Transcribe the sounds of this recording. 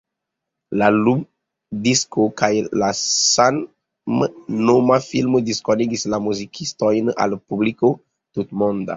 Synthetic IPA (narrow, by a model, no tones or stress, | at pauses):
lalum | diskokajlasan | mnomafilmodiskoniɡislamuzikʰistojna̰lpubliko | tutmonda̰